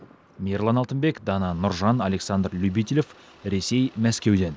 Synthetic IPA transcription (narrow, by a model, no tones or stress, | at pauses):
mʲirlˠɑnɑlˠt̪ənbe̞kd̪ɑnɑnʊɾʒɑnɑle̞ksɑnd̪rlʲubit̪ʲilʲef | ɾe̞se̞jmæskʲe̞wd̪e̞n